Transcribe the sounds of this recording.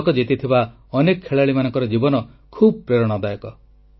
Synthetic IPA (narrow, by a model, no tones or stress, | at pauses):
kɔd͡ʒit̪it̪ʰiba | ɔnekɔkʰeɭaɭimanɔŋkɔɾɔd͡ʒibɔnɔ | kʰubɔpɾeɾɔɽ̃ɔd̪ajɔkɔ